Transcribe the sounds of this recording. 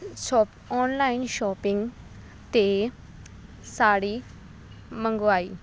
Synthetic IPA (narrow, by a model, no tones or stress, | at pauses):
ɕɔp | ɔnlainɕɔpiŋɡ | t̪e | saɽiː | məŋɡʋai